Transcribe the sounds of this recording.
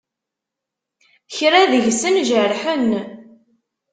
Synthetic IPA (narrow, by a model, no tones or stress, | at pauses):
çɾæðəʝsənʒəɾħən